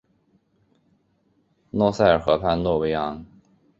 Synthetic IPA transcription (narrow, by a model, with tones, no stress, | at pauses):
nwɔ˥˧sa˥˩ɪə˞˨˩xɤ˧˥pʰa˥˧nnwɔ˥˩we˧˥jɑ˧˥˦ŋ